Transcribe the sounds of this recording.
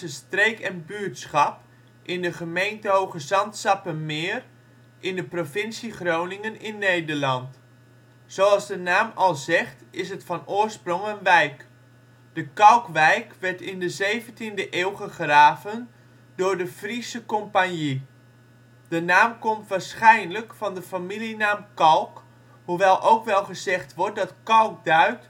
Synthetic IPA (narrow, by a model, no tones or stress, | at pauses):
əstrejkɛnbyːtsχɑp | ʔɪndəχəmejntəɦowχəzɑntsɑpənmɪːr | ʔɪndəprofɪnsiχrownɪŋənɪnːejdəɹlɑnt | soɑlˠzdənaːmɑlˠzɛχtɪsɦətfɑnʊːɹsproŋənʋɛjk | d̥əkɑlˠkʋɛjkʋɛɹtɪndəzejvəntindəʔeːwχəχraːvən | dʊːɹdəfrisəkɔmpanji | d̥ənaːmkɔmtʋaːɹsχɛjnləkfɑndəfamilinaːmkɑlˠk | huʋɛlˠʔowkʋɛlˠχəzɛχtʋɔɹt̚dɑtkɑlˠk̚dœɥt